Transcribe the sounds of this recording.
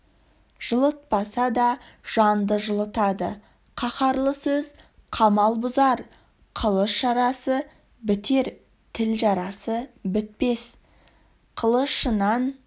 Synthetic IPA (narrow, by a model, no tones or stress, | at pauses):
ʒ̥əlˠət̪̚pɑsɑd̪ɑʒ̥ɑnd̪əʒəlˠət̪ɑd̪ə | qʰɑχɑɾlˠəsɵz | qʰɑmɑlˠbʊzɑɾ | qʰəlˠəsʃɑɾɑsə | bɪt̪e̞ɾ | t̪ʰɪlʒɑɾɑsəbɪt̪̚pe̞s | qʰəlˠəsʃənɑn